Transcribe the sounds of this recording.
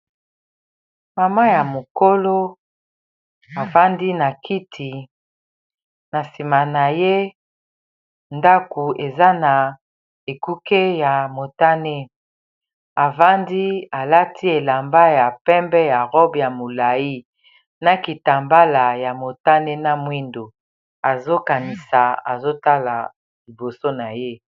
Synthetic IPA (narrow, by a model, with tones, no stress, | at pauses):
ma˨ma˦ja˨mo˨ko˦lo˦ | a˨va˦ndi˦na˨kʰi˦tʰi˨ | na˨si˨ma˨na˨je˦ | nda˦ku˨e˨za˦na˨ | e˨ku˦ke˦ja˨mo˨ta˦ne˦ | a˨va˦ndi˦a˨la˦tʰi˦e˨la˨mba˦ja˨pɛ˦mbɛ˦ja˨ʁɔ˦bja˨mo˨la˨ji˦ | na˨ki˨ta˨mba˦la˨ja˨mo˨ta˦ne˦na˦mwi˦ndo˨ | a˨zo˦ka˨ni˨sa˨a˨zo˦ta˦la˨ | li˨bo˨so˦na˨je˦